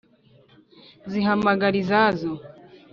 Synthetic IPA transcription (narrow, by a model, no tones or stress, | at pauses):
ziɦamaɡaɾizazɔ